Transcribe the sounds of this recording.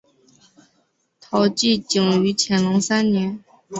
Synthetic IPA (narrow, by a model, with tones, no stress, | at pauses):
t̪ʰɑ˧˥ʊt͡ɕi˥˩t͡ɕi˨˩ŋy˧˥t͡ɕʰjɛ˧˥nlʊ˧˥ŋsa˥nnjɛ˧˥n